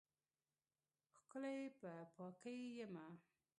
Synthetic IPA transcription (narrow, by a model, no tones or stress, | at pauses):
xkəlajpəpɑkəjːəma